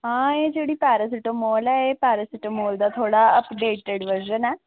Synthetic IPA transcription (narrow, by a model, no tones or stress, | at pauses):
ɦãːeːd͡ʒeːɽiːpɛːɾəs̬ɪʈəmoːlɛːepɛːɾəsɪʈəmoːld̪aːt̪ʰoːɽaːəpɖeːʈeɖʋəd͡ʒənɛː